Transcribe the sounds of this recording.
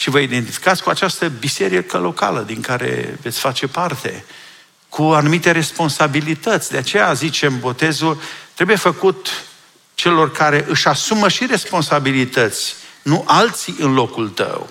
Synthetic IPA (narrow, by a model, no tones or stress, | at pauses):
ʃivəid̪e̞nt̪ifi̥kat̪sʲkuat͡ʃast̪əbise̞ɾikəlo̞ka̰lə̰d̪iŋkaɾe̞̰ve̞t̪sʲfat͡ʃe̞part̪e̞̰ | kuanumit̪e̞ɾe̞spo̞nsabilit̪ət̪sʲd̪eat͡ʃe̞jazit͡ʃe̞mbo̞t̪e̞zult̪ɾebuje̞fəkut̪ | t͡ʃe̞lo̞rkaɾe̞ʔɨʃasuməʃiɾe̞spo̞nsabilit̪ət̪sʲnuʔalt̪siɨnlo̞kult̪ə̰w